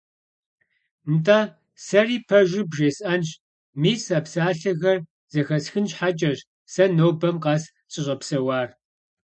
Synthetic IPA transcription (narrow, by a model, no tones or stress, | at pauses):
ntʼaː | sɐriːpʰɐʒʷɪbʒeːsʔɐnɕ | miːsaːpsaːɬɐɣɐr | z̥ɐxɐsxɨnɕħat͡ʃʼɐʒ | sɐnoːwbɐmqɑːs | ɕʼɪɕʼɐpsɐwaːr